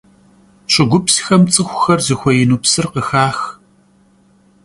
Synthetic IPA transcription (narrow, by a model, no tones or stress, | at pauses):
ɕʼɪɡʷʊpsi̥xɐmt͡sʼɨxʷʊxɐrzɨxʷɔjɪnuːpsɨrqəxaːx